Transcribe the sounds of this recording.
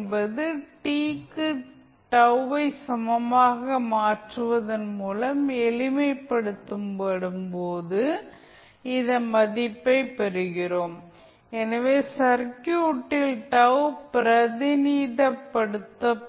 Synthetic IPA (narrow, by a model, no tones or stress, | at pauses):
nbɐðɯʈiːkːɯ | ʈɐʋʋɐɪsɐmɐmaːɣɐmaːʈrɯʋɐðɐnmuːlɐmɛlɪmɐɪpːɐɽɯt̪ːɯmpɐɽɯmpoːðɯ | ɪðɐmɐðɪpːɐɪpːɐɾɯɣɪroːm | ɛnɐʋeːsɐɾkjuːʈːɪlʈɐʋʊpɪɾɐðɪniːðɐpːɐɽɯt̪ːɐ